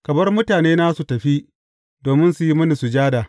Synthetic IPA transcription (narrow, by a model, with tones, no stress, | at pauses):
kɐ˨bɐ˦rmʊ˦taː˨neː˦naː˦su˨tɐ˨ɸi˦ | doː˨mɪ˦nsu˨ji˦mɐ˦ni˨su˨d͡ʒaː˦daː˨